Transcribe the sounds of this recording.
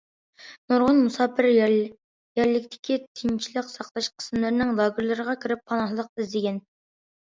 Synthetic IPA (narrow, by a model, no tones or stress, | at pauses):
noɾʁʊnmusɑːpʰɪɾ | jæɾlɪkʲt̪ʰɪ̥kʲʰit̪ʰint͡ʃʰilɪqsɑqlˠɑʃqʰə̥smlˠɨɾnɪŋlˠɑːɡʲɪɾlˠɨɾəʁɑkʲʰiɾɪp̚ʰːɑnɑɦlˠəq̚ɪzd̪ɪɡʲɛn